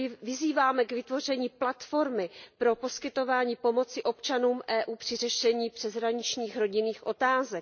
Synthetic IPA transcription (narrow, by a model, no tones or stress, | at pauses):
vɪziːvaːmɛɡvɪt̪vo̞r̝ɛɲiːplat̪fo̞ɾmɪpɾo̞po̞skɪt̪o̞vaːɲiːpo̞mo̞t͡sɪʔo̞pt͡ʃanuːmʔɛːʔuːpr̥ɪrɛʃɛɲiːpr̝̥ɛzɦɾaɲɪt͡ʃɲiːxɾo̞ɟɪniːxʔo̞t̪aːzɛk